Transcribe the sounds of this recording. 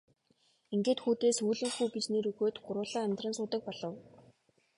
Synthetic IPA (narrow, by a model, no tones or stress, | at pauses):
iŋɡeːt̪xuːt̪eːsujɮɘ̆ŋxujɡet͡ɕneːɾɵɣoːt̪ɢʊɾʊːɮaːæmt̪rə̆nsʊːt̪ə̆k̚pɔɮɞ̆w